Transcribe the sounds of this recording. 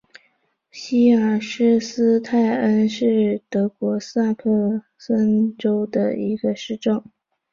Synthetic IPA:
ɕi˥ə˨˩ʂɻ̩˥s̩˥t̪ʰa˥˩ɪə˥nʂɻ̩˥˩t̪ɤ˧˥kwɔ˧˥sa˥˧kʰɤ˥˧ | sə˥nʈ͡ʂo˥ʊd̪ə̰˧i˧˥ɡə˧ʂɻ̩˥˧ʈ͡ʂɤ˥˩ŋ

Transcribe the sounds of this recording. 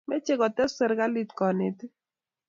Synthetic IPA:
me˦t͡ʃe˦kɔ˨tɛ˦sɛ˦ɾɡa˦li˦tkɔ˨ne˨t

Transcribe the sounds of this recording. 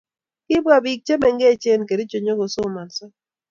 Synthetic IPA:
kɪ˦ba˨bi˨k̚t͡ʃe˦mɛ˨ŋɡe˦˨t͡ʃe˦˨nke˨de˦t͡ʃo˨ɲo˦ɡo˨so˦˨ma˨nsɔ˦

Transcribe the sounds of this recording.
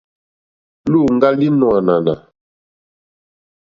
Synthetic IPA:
luː˦˨ŋ˦ɡa˦li˦nɔ˨a˨na˨na̰˨

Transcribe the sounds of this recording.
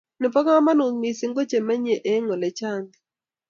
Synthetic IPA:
nɪ˨pɔ˦kɔ˦ma˦no˨mi˨si˦ŋɡo˦t͡ʃe˨mɛ˦ɲe˨ʔe˦ŋɔ˨lɛ˨t͡ʃa˦nd̪ɪ

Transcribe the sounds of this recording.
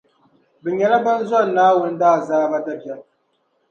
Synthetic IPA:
bɨ˨ɲɛ˨la˦ba˦n˦za˦˨nːaː˦wʊ˨˦n˦daː˦˨zaː˦ba˦da˦pjɛ˨l

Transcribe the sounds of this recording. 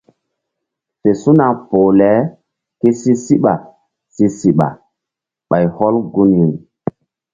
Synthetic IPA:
fe˨su˦na˨po˨lɛ˨˦ | ke˦si˦si˦ɓa˨ | si˦si˦ɓa̰˨ | ɓa˨jhɔ˦lɡu˦nju˨n

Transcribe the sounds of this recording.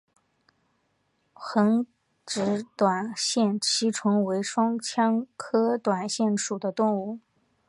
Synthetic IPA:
xə˧˥ŋ | ʈ͡ʂɻ̩˧˥t̪wa˨˩nɕjɛ˥˧nt͡ɕʰi˧˥ʈ͡ʂʰʊ˧˥ŋwe˧˥ɪʂwɑ˥ŋt͡ɕʰjɑ˥ŋkʰɤ˥t̪wa˨˩nɕjɛ˥˩nʂu˨˩d̪ə˦t̪ʊ˥˧ŋu˥˩

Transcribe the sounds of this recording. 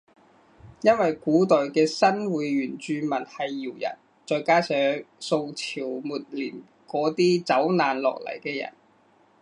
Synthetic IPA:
jɐ˥nwɐ˨jkuː˨˥t̪ɵ˨ɥkɛː˧sɐ˥nwuː˨˧jɥyː˨˩nt͡ʃyː˧mɐ˨˩nhɐ˨jːiː˨˩wjɐ̰˨˩n | t͡sɔː˧jkaː˥sœː˨˧˥ŋso˧wt͡sʰiː˨˩wmuː˨t̚liː˨˩m | kɔː˨˥t̪iː˥t͡sɐ˨˥wnaː˨nlɔ̰ː˨k̚lɐ̰˨˩jkɛː˧jɐ̰˨˩n

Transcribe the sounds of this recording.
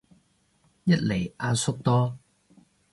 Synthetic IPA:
jɐ˥t̚le˨˩jʔaː˧nsʊ˥k̚t̪ɔː˥

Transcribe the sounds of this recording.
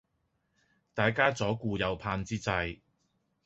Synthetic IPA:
t̪aː˨jkaː˥t͡sɔː˨˥kuː˧jɐ˨˧wpʰaː˧nt͡siː˥t͡sɐ˧j

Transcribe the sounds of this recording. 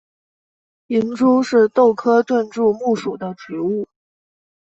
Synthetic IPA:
i˧˥nʈ͡ʂu˥ʂɻ̩˥˧t̪o˥˩ʊkʰɤ˥t̪wə˥˧nʈ͡ʂu˥˧mu˥˩ʂu˨˩d̪ə˦ʈ͡ʂ̩˧˥u˥˩

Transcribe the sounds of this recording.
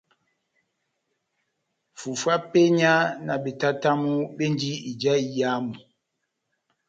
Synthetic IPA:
fu˨fwa˦pe˦ɲa˦na˨ɓe˨ta˦ta˦mu˦ɓe˦nd͡ʒi˦i˨d͡ʒa˦i˨ja˦mu˨

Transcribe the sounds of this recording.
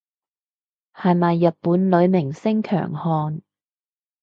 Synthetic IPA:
hɐ˨jmɐ˨jːɐ˨t̚puː˨˥nlɵ˨˧ɥmɪ˨˩ŋsɪ˥ŋkʰœ̰ː˨˩ŋhɔː˧n

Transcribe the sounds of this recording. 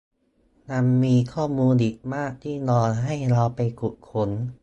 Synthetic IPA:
na˧mːiː˧kʰɔː˥˩muː˧nʔiː˨˩k̚maː˥˩k̚t̪ʰiː˥˩nɔː˧nɦa˥˩jɾa˧wpa˧jku˨˩t̪̚kʰo˧˥n

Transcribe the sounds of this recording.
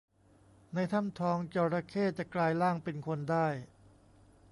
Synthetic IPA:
na˧jt̪ʰa˥˩mt̪ʰɔː˩˦ŋt͡ɕɔː˧ɾa˧kʰeː˥˩t͡ɕa˨˩klaː˧jlaː˥˩ŋpe˧nkʰo˧ndaː˥˩j

